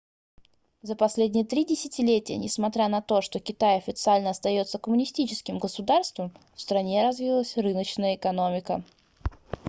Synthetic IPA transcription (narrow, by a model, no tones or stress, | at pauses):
zəpɐsʲlʲedʲnʲɪjət̪ɾʲidʲɪsʲɪtʲɪlʲetʲɪjə̰nʲɪsmɐt̪ɾʲanɐt̪o̞ʂt̪okʲɪt̪ajɐfʲɪt̪sɨalʲnəɐst̪ɐjo̞t̪səkəmʊnʲɪsʲtʲit͡ɕɪskʲɪmɡəsʊd̪arst̪vəm | fst̪ɾɐnʲe̞ɾɐzvʲilˠəsʲrɨnət͡ɕnəjəɪkɐnomʲɪkə